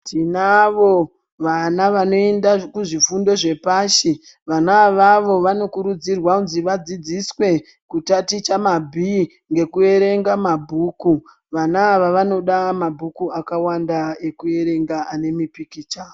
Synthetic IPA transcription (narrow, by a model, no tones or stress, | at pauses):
tinaʋo̞ | ʋanaʋano̞endakuʐifundo̞ʐe̞paʃi | ʋanaʋaʋo̞ʋano̞kuɾud͡zirwaunziʋad͡zid͡ziswe̞ | kutatit͡ʃamabʱi | ŋɡe̞kue̞ɾe̞ŋɡamabʱuːku | ʋanaːʋaʋano̞ɗamabʱukuakawandaekue̞ɾe̞ŋɡaʔane̞mipikit͡ʃaːo